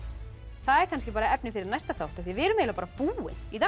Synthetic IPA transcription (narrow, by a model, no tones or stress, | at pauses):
θaðɛɾkʰanscɪpaːɾaiɛpnɪnfɪɾɪɾnajst̪aθawht̪aðθvɪvɪɛɾʏmeːlapaːɾapuːɪ̰niθa